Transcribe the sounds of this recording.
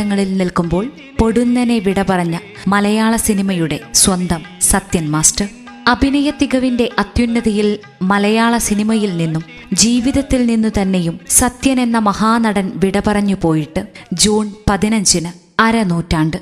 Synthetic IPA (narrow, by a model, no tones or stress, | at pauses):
ɐŋːɐɭilnilkumbo̞ːɭ | po̞ɽunːɐneʋiɽɐpɐrɐɲːɐ | mɐlɐjaːɭɐsinimɐjuɽe̞swɐnd̪ɐmsɐt̪jɐnmaːsʈɐr | ɐbʱinɐjɐt̪ːiɣɐʋinde̞ʔɐt̪junːɐðɐjil | mɐlɐjaːɭɐsinimɐjilninːum | d͡ʑiːʋiðɐt̪ːilninːut̪ɐnːe̞jumsɐt̪jɐne̞nːɐmɐhaːnɐɽɐnʋiɽɐpɐrɐɲːupo̞ːjiʈːɨd͡ʑuːnpɐðinɐɲd͡ʑinɨ | ɐɾɐnuːtːaːɳɖɨ